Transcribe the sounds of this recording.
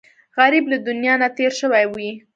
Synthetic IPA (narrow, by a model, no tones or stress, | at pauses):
ɣaɾiblad̪ʊnjɑnat̪eɾʃəwajwi